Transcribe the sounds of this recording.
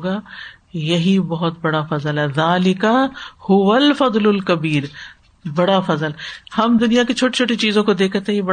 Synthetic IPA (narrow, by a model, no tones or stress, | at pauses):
ɡaː | jɐɦibɐɦʊt̪̚bɐɽafɐzəlɦɛːðaːlɪkɐhʊʋɐlfɐd̪ˤlʊlkɐbiːɾ | bɐɽafɐzəlhɐmd̪ʊnijaket͡ʃʰoːʈi̥t͡ʃʰoːʈit͡ʃiːzõkod̪eːkʰt̪ejebɐ